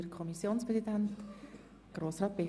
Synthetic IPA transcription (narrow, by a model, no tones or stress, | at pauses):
əɾkʰɔmisjoːnspʁɛsidænt | ɡ̥ɾoːsrɑːt̪̚be